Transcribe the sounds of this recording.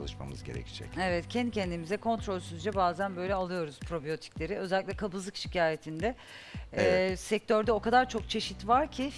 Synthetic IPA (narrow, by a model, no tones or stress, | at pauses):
lˠɯʃma̰mɯ̰zɟeɾɛ̰ci̥d͡ʒɛ̰cevɛt̪cʰɛnd̪icʰɛnd̪imizɛkʰo̞nt̪ɾo̞lʲsyzd͡ʒɛbaːzænbø̞jlʲɛalˠɯjo̞ɾuz̥pʰɾo̞bijo̞t̪ʰi̥clʲe̞ɾiø̞zɛlʲiclʲɛkʰabɯzɯkʃi̥cʰaːje̞t̪ʰind̪ɛ | sɛc̚t̪ʰøɾd̪ɛo̞kad̪aɾt͡ʃʰo̞k̚t͡ʃʰe̞ʃit̪vaɾcʰi